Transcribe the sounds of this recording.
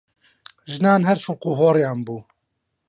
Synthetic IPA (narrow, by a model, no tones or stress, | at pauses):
ʒɨnɑːnɦɛɾfʊlquɦoːɾjɑːnbuː